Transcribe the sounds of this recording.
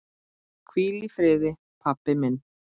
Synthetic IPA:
kʰwiːlifɾeːðe | pʰapːemen

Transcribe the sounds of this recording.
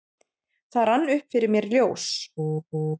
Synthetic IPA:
θaðɾanːʏhpfɪɾɪɾmjɛɾljoːws

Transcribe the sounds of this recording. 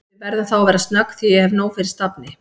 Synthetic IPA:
ɪvɛɾðaθawavɛːɾast̪nakːθijɛhɛvnoːwfɪɾɪɾ̥st̪apnɪ

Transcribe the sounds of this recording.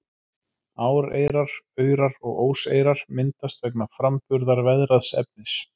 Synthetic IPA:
aːwɾḛjɾaɾ̥œːɥɾaɾɔɣoːwseːjɾaɾ̥mɪnt̪ast̪vɛknafɾampʏɾðaɾvɛðɾaðsɛ̰p̚nɪs

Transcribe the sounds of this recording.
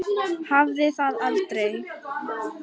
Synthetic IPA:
havðɪθaðalt̪ɾej

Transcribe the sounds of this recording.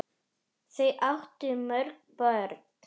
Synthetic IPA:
θejʔaht̪ʏmœɾk̚pœɾt

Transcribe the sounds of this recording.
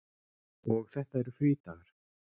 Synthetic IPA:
ɔɣθɛht̪aɛɾʏfiːt̪aɣaɾ̥

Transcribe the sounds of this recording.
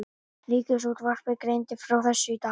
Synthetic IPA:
liːkʏsut̪var̥pɪkɾejnt̪ɪfɾawθɛsːʏit̪a

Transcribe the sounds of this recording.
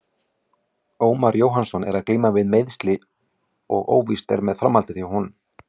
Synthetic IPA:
oːwmaɾjoːwɦansɔnɛ̰ɾaðkliːmavɪðmejðst̪lɪ | ɔɣo̰ːwvist̪ɛ̰ɾmɛðfɾamːalt̪ɪθiahunm

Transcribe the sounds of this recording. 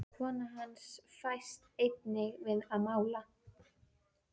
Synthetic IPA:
kʰvɔːnaɦansfajst̪ejt̪̚nɪɣvɪðaðmaːwla

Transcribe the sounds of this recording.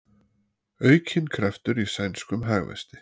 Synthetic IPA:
œːɥcʰɪnkʰɾɛft̪ʏɾisajnskʏmɦaːɣvɛ̰st̪ɪ̥

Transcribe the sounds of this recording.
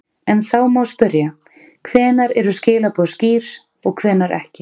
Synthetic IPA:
ɛnθaːwmawspʏɾja | kʰvɛːnaɾɛɾʏscɪːlapɔðsciːɾ | ɔɣkʰvɛːnaɾʔɛ̰hcɪ

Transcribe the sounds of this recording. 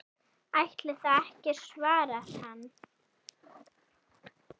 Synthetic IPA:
ajht̪lɪθaðɛhcɪɾ̥svaːɾaɾ̥hanː

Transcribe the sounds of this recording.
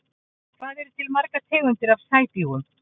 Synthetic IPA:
kʰvaːðɛɾʏt̪ʰɪlmaɾkat̪ʰɛːɣʏnt̪ɪɾavsaːjt̪iɣun

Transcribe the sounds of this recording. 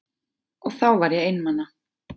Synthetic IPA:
ɔɣθawvaɾjɛɣɪjnmanːa

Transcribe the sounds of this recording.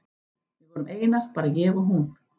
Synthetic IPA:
vɪvɔːɾʏmʔeːjnas̚paːɾacɛːvaɦun

